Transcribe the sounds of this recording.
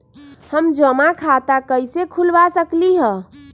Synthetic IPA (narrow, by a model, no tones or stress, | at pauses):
həmd͡ʒəmakʰat̪akəjsekʰulʋasəkliɦə